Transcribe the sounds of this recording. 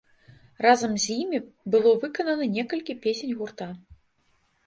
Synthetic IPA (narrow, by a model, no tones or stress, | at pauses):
razɐmzʲjimʲibɨlˠɔvɨkɐnɐnɐnʲɛkɐlʲkʲipʲesʲenʲɣurt̪a